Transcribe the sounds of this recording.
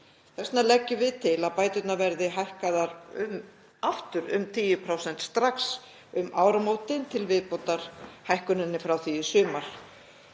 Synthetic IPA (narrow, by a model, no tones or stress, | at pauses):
θɛstnalɛcːʏvɪðt̪ʰɪlaðpaːjt̪ʏt̪navɛɾðɪɦajhkaðaɾʏm | aft̪ʏɾʏ̰mt̪ʰiːjʏpʰɾawsɛn̥t̪st̪ɾaks | ʏmaːwɾamoːwt̪ɪnt̪ʰɪlvɪðpowt̪aɾ̥hajhkʏnɪnːɪfɾawθiɪsʏːmaɾ̥